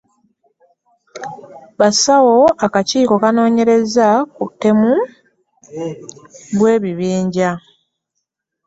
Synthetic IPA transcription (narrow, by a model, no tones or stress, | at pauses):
βasawo̞akaciːko̞kano̞ːɲe̞ɾe̞zakutːe̞mu | βwe̞ːβiβiːɲɟa